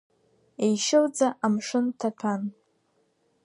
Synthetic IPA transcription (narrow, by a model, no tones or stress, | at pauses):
ejʃɪld͡zaʔamʂɨntʰatʰan